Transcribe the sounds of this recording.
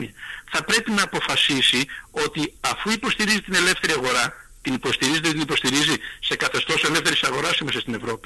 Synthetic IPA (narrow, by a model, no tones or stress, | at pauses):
iɐθɐpɾe̞pinɐːpo̞fɐsisio̞t̪iɐfuipo̞st̪iɾizit̪ine̞le̞fθe̞ɾiɐɣo̞ɾɐt̪inipo̞st̪iɾizet̪et̪inipo̞st̪iɾizise̞kɐθe̞st̪o̞se̞le̞fθe̞ɾisɐɣo̞ɾɐsimesɐst̪ine̞vɾo̞pi̥